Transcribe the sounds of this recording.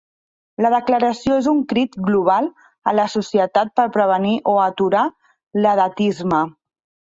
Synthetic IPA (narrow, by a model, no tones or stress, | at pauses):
ləð̞əkləɾəsioezuŋkɾit̪ɡluβ̞alˠ | ələsusiət̪at̪̚pəɾpɾəβ̞əniʔoət̪uɾa | ləðət̪izmə